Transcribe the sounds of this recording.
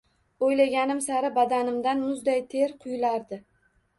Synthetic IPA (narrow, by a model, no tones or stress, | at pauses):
ojlaɡʲanɪmsaɾɪbad̪anɪmd̪anmʊzd̪ajt̪ʰe̞ɾqʰʊjlaɾd̪ɪ